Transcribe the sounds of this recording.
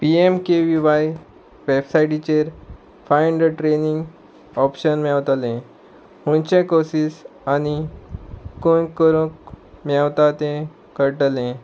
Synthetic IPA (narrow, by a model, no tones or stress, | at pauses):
piemkeʋiʋaj | ʋebsajʈit͡ɕeɾ | fãjɳɖəʈɾeniŋɡ | ɔpɕənmɛwt̪lẽ | hũnt͡ɕẽkosiːsañi | konkəɾũkmɛwt̪at̪ẽ | kəɾʈəlẽ